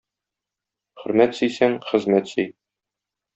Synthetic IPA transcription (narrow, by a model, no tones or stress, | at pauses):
χɵ̆ɾmæt̪sɵ̆jsæŋχɘ̆zmæt̪sɵj